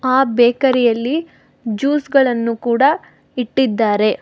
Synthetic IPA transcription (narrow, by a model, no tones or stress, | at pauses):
aːbeːkɐɾɛjɐlːi | d͡ʒuːsɡɐɭɐnːukuːɽɐ | iʈːid̪ːaːɾe̞